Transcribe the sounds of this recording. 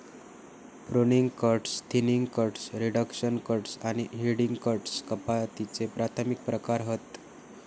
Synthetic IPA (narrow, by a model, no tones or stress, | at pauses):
bɾoniŋɡkəɾʈst̪ʰiniŋɡkəɾʈsɾiɽəkɕənkəɾʈsaɽ̃iɦiɽiŋɡkəɾʈskəpat̪it͡sepɾat̪ʰəmik̚pɾəkaɾɦət̪